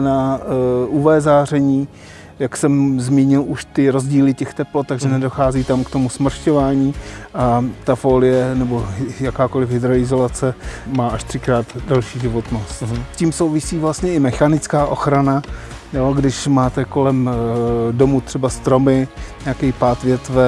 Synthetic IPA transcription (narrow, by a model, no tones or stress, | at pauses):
na | ʔuvɛːzaːrɛɲiː | jaksɛmzmiːɲɪlʔuʃt̪ɪɾo̞zɟiːlɪcɛxt̪ɛplot̪aɡʒɛnɛdo̞xaːziːt̪amkt̪o̞musmr̩ʃco̞vaːɲiːʔat̪afoːlɪjɛnɛbo̞jakaːko̞lɪfɦɪd̪ɾo̞ɪzo̞lat͡sɛmaːʔaʃt̪r̝̥ɪkɾaːt̪dalʃiːʒɪvot̪no̞st̪sciːmso̞wvɪsiːvlast̪ɲɛɪmɛxanɪt͡skaːʔo̞xɾana | joɡdɪʃmaːt̪ɛko̞lɛm | do̞mut̪r̝̥ɛbast̪ɾo̞mɪɲakɛpaːt̪vjɛt̪vɛ